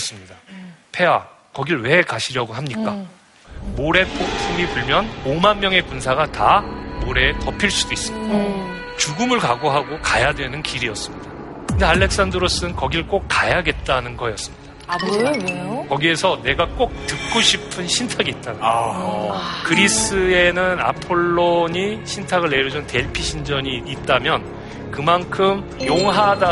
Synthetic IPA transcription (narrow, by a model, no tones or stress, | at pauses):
ʌs͈ɯmɲidapʰe̞wa | kʌɡiɾɯɭwe̞kaɕʰiɾjʌɡoɦamɲik͈a | moɾe̞pʰok̚pʰumipuɭmjʌnomanmjʌŋe̞punsʰaɡatamoɾe̞tʌpʰiɭs͈udois͈ɯo | t͡ɕuɡɯmɯɭkaɡoɦaɡokajadwe̞nɯnkiɾiʌs͈ɯmɲidaa | kɯndeaɭːe̞k̚s͈andɯɾos͈ɯɯnkʌɡiɾɯɭk͈ok̚k͈ːajaɡe̞t̚t͈anɯnɡʌjʌs͈ɯmɲidḁonekʌɡie̞sʰʌne̞ɡak͈ok̚tuk̚k͈oɕʰipʰɯnɕʰintʰaɡiːt̚t͈aɡ | kɯɾis͈ɯe̞nɯna̰pʰoɭːoɲiɕʰintʰaɡɯɭːe̞ɾjʌd͡ʑunɯnte̞ɭpʰiɕʰind͡ʑʌɲiːt̚t͈amjʌn | kɯmankʰɯmjoŋɦada